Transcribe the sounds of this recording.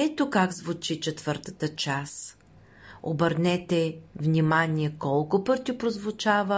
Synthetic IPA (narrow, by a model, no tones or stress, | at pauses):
ɛt̪okaɡzvʊt͡ʃit͡ʃɛt̪vəɾt̪ə̥t̪ət͡ʃas | o̰bəɾnɛt̪ɛvnʲimaniɛkɔlˠkʊpɤɾt̪ʲipɾozvʊt͡ʃavə